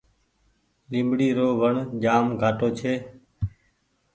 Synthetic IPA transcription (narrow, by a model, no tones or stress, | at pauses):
lɪ̃mbɽiːɾoːʋəɳʄaːmɡʱaːʈoːt͡ʃʰeː